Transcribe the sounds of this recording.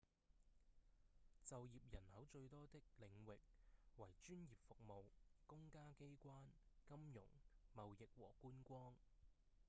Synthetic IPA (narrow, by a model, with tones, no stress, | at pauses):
t͡sɐ˨wjiː˨p̚jɐ˨˩nhɐ˨˥wt͡ʃɵ˧ɥt̪ɔː˥t̪ɪ˥k̚lɪ˨˧ŋwɪ˨k̚wɐ˨˩jt͡ʃyː˥njiː˨p̚fʊ˨k̚mo˨wkʊ˥ŋkaː˥ke˥jkʷaː˥nkɐ˥mjʊ̰˨˩ŋmɐ˨wjɪ˨k̚wɔ̰ː˨˩kuː˥nkʷɔː˥ŋ